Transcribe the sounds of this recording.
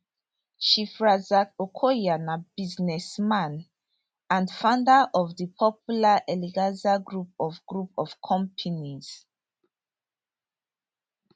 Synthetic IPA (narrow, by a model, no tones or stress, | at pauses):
ʃifɹazakokʰojanabiznɛsmãn | ãndfãndaʔɔvdipʰɔpulaʔɛliɡazaɡɹup̚ɔvɡɹupɔv̥kʰɔ̃mpʰiniz̥